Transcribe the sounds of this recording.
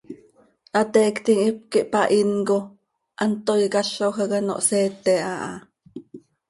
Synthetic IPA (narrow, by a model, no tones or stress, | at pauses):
ʔat̪eːkt̪iŋip̚kiʔpaʔinɡo | ʔant̪ojɡaʃoɦəɣəno̰ʔseːt̪eaʔa̰